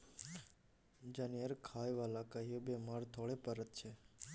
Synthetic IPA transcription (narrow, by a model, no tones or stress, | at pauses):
d͡ʒanijəɾkʰaːjʋalakəɦjobemaɾt̪ʰoɭepəɾət̪̚t͡ʃʰe